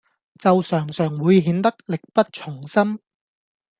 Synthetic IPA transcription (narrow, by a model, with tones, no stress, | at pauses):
t͡sɐ˨wsœː˨˩ŋsœː˨˩ŋwuː˨˧jɦiː˨˧nt̪ɐ˥k̚lɪ˨k̚pɐ˥t̚t͡ʃʰʊ˨˩ŋsɐ˥m